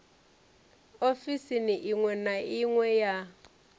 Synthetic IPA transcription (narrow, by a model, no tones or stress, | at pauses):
ofisiniʔiŋwɛnaiŋwɛja